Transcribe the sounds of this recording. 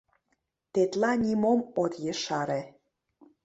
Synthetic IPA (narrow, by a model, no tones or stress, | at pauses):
t̪et̪lɑnʲimomot̪jeʃɑɾĕ